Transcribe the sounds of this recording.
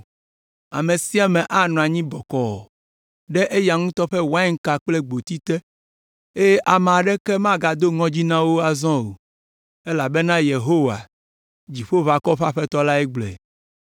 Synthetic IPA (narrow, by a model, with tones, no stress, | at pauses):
a̰˨mẽ˨si˦a˨mɛ̃˨ʔa˦nɔ̃˨a˨ɲĩ˦bɔ˨kɔ˨ɔ˨ | ɖɛ˦ʔe˦ja˨ŋũ˦t̪ɔ˦ɸɛ˦wa˦ɛ˦ŋ̩˦ka˨k͡ple˦ɡ͡bo˨t̪i˦t̪ɛ˦ | e˦je˦ʔa˨m˨a˨ɖɛ˦kɛ˦mã˦ɡa˨d̪o˦ŋɔ̃˦d͡ʑi˦nã˦wo˦a˨zɔ̃˦o˨ | e˦la˨be˦nã˦je˨ɦo˦wa̰˨ | d͡ʑi˨ɸo˦va˨kɔ˦ɸa˦ɸɛ˦t̪ɔ˦la˦ɛ˦ɡ͡blɛ̰˨